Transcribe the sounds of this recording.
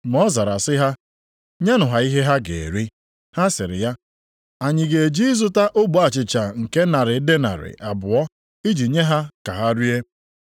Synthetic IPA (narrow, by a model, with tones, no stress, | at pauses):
mɔ˦za˨ɾa˨sɪ˦ɦa˦ | ɲa˦nʊ˨ɦa˨i˦ɦe˦ɦa˦ɡḛ˨e˨ɾi˦ | ha˦sɪ˨ɾɪ̰˨ja˦ | a˨ɲɪ˨ɡe˨d͡ʒi˦zʊ˦ta˦ʔʊ˦ɡ͡bo˨a˨t͡ʃɪ˨t͡ʃa˨ŋ̩˨ke˦na˨ɾɪ˨˦de˦na̰˨ɾɪ̰˨ʔa˨bʊ˨ɔ˦ | i˦d͡ʒi˨ɲe˦ɦa˦ka˨ɦa˦ɾi˦e˦